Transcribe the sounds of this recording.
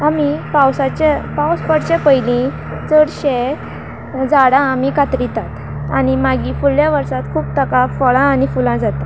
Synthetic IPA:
amipawsat͡ɕepawspəɽt͡ɕepəjlĩ | t͡səɽɕe | d͡zaɽãːmikat̪ɾit̪at̪ | a̰ɽ̃imaɡiːfuɭːjaʋəɾsat̪kʰuːp̚t̪əkafəɭãːñifulãd͡zat̪a

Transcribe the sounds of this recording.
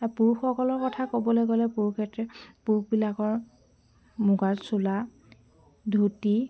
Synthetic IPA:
apuɹuxɔkɔlɔɹkɔtʰakobɔlojɡɔlɛpuɹukʰɛtɹɛpuukbilakɔɹ | muɡaɹsula | dʱuti

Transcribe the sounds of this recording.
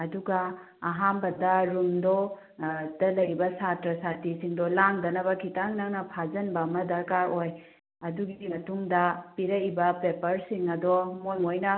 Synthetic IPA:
ɐduɡɐː | ɦambɐdɐɾumdɔ | dɐlɐjɾibɐsatɾɐsatisiŋdɔlaŋdɐnɐbɐkʰitaŋnaŋnɐpʰazɐnbɐmɐdɐɾkaɾoj | ɐduɡiimɐtuŋdɐpiɾɐibɐpepɐɾsiŋɐdɔmojŋojnɐ

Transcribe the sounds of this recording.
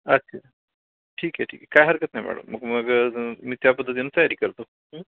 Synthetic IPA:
ətːɕʰa | ʈʰiːkɛʈʰḭːkɛkːajɦəɾkət̪najmʔa̰ɽo̰məɡməɡmiːt̪japəd̪ʱːət̪inːət̪əjaɾiːkəɾt̪o

